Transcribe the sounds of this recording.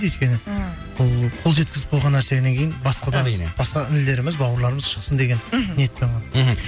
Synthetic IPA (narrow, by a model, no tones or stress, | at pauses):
ɵjt̪kʲe̞nɪ | bʊlˠqʰo̞lˠʒe̞t̪kʲɪzɪp̚qʰo̞lˠʁɑnːæɾse̞ne̞ŋkʲʰejɪnbɑsqɑd̪ɑb̥ɑsqɑɪnɪle̞ɾɪmɪzbɑwəɾlˠɑɾəməz̥ʃə̥qsənd̪e̞ɡʲe̞nneet̪peɑnɦ